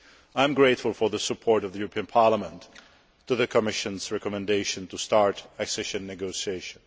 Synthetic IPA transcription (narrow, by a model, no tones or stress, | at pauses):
ãj̃mɡɹeɪtfʊlˠfɔ˞ðəsəpʰɔɹɾʌvðəjuɹpʰĩə̃npʰɑɹləmɛ̃ntː | uðəkʰɔmɪʃə̃nzɹɛkɔmɛ̃ndeʃɨ̃ntustɑɹtæksɛʃə̃nːɛɡoʊsieɪʃə̃n